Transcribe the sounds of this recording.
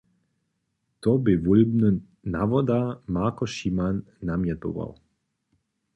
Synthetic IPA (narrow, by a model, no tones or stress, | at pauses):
t̪obɪʋulbnɨ | naʋɔd̪amakɔʃimanː | amjɛt̪o̰ʋa̰w